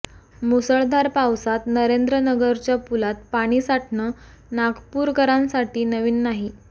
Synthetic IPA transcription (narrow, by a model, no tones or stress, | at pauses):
musəɭd̪ʱaɾpawsat̪nəɾend̪ɾənəɡəɾt͡ɕjapulat̪̚paɽ̃iːsaʈnəː | naɡpuːɾkəɾãnsaʈiːnəʋiːnːaɦi